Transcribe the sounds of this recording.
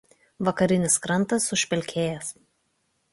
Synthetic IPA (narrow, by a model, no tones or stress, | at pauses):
ʋɐkɐɾʲɪnʲɪskɾɐnˑt̪ɐsʊʃʲpʲɛlʲkʲeːjɛs